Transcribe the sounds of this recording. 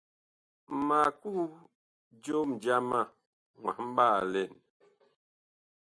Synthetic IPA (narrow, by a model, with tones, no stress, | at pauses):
ma˨ku˦ | d͡ʒo˦m̩˨d͡ʒa˦ma˦˨ | ŋwa̰˨m̩˦ba˦˨lɛ˦˨n